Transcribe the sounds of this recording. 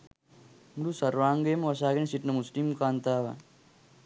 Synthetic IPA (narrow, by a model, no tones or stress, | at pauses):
mdusɐɾʋaːŋɡemʋɐsaːɡenisiʈnɐmuslimkaːnt̪aːʋa̰